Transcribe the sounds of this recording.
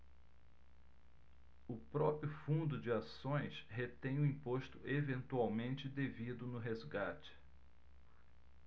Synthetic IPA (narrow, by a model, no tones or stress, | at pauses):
ʊpɾɔpɾjʊfũnd̪ʊd͡ʒɪasõj̃shet̪ẽj̃ʊĩpoʃt̪ʊʔevẽnt̪uawmẽnt͡ʃɪd̪evid̪ʊnʊɦezɡat͡ʃɪ̥